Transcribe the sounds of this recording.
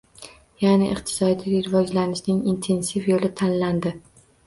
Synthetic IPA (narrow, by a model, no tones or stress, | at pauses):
janɪʔɨq̚t̪ʰɪ̥sɒd̪iɾɪvɒd͡ʒlanɪʃnɪŋint̪ʰe̞nsifjolɪt̪ʰanland̪ɪ